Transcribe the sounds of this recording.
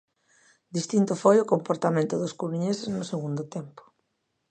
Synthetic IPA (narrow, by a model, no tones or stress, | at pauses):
d̪ist̪int̪ʊfojʊkompoɾt̪amẽnt̪ʊðʊskuɾuɲeseznʊseɣund̪ʊt̪empʊ̥